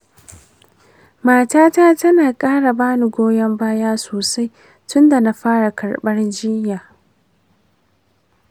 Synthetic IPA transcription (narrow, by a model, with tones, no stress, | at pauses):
maː˨taː˦taː˦tɐ˦naː˨kʼaː˦ɽa˨baː˦ni˨ɡʷoː˦jɐ˦mbaː˦jaː˦soː˨sa˦j | tʊ˦nda˨na˦ɸaː˦ɽa˨kɐ˨ɽɓɐ˦rd͡ʒɪ˦jaː˨